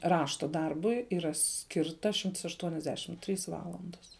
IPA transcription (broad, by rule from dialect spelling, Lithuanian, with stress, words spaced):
ˈrɑːʃtɐ ˈdɐrbʊɪ iːˈrɐ ˈsʲkʲɪrtɐ ʃʲɪmts ɐʃtuɔnʲɛzʲˈdʲæːʃʲɪm ˈtʲrʲiːs ˈʋɑːlˠɐndɐs